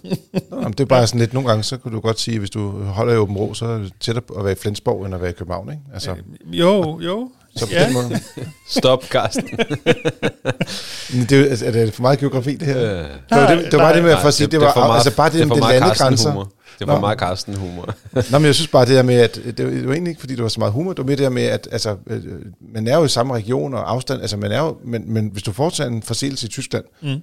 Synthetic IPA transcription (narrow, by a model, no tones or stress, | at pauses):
nmn̩d̥e̝bɑ̈ːsɒ̽n̩le̝d̥no̝ːn̩ɡɑ̈ŋəsɒ̽kʰud̥ujɡ̥ɒ̽d̥siːʋe̝sd̥uɦɒ̽l̰ɐiɔb̥m̩ʁo̰ːsɒ̽ædet͡sʰed̥ɒːʋæːɐiflensb̥ɒʊenɐʋæːɐikʰøb̥̩hɑ̈ʊ̰neɡ̥ælsəojo | sɒ̽pʰɒdenmɔð̩ˠsd̥ɔb̥kʰɑsd̥n̩ | end̥e̝sd̥edefɒmɑ̈ːðˠɡ̥io̝ɡ̥ʁɑ̈fḭːd̥e̝æɐ̰̥ead̥ed̥eʋɑbɑ̈ːd̥emeæfɒsḭːd̥e̝ʋɑ̈ælsəb̥ɑ̈ːd̥e̝deɐmed̥elænəɡ̥ʁansɐ̥ | enmɑkʰɑsd̥n̩humɐnɒmenjaɪsynsb̥ɑ̈ːd̥e̝d̥eɐmeæd̥d̥e̝d̥e̝ʋɑe̝ːnlie̝ɡ̥əfɒ̽dḭːd̥eʋɑsɒ̽mɑ̈ːðˠɦumɐd̥e̝ʋɑmeːɐd̥e̝̥eɐmeæd̥ælsə | mænæɐjo̝isɑ̈məʁɛɡ̥ijo̝̰ːnɒʔɑ̈ʊsd̥æn̰ælsəmænæɐjo̝menmenʋe̝sd̥ufɒːd̥sʰɛ̰enfɒ̽se̝̰ːl̩səit͡sʰysɡ̥læn̰